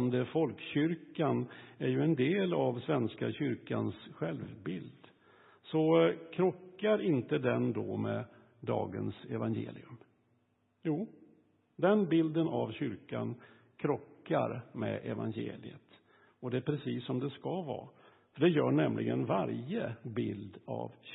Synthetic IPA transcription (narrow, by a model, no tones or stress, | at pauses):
nd̪əfɔlkɕʏɾkanæɾjɵɛnd̪eːlavsvɛnskaɕʏɾkansɧɛlvbɪld̪ | sɔkʰɾɔkːaɾɪnt̪əd̪ɛnd̪ɔmɛ | d̪ɑːɡənsɛvanjḛːlɪɵm | juː | d̪ɛnbɪld̪ənavɕʏɾkan | kʰɾɔkːaɾmɛɛvanjḛːlɪət̪ | ɔd̪ɛæpʰɾɛsiːsːɔmd̪ɛskavɑ̰ː | fœɖɛjœːɳɛmlʔɪɡənvaɾjəbɪld̪a̰v